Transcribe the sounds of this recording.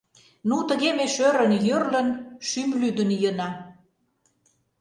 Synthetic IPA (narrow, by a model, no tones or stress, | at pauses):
nut̪ə̆ɣemeʃøɾə̆njørlə̆nʃymlyd̪ənjənɑ